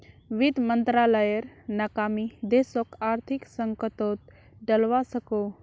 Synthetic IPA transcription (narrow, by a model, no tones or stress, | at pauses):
ʋid̪mənt̪ɾaləjəɾnakamid̪esokaɾt̪ʰiksəŋkət̪ot̪̚ | ɖəlʋasəko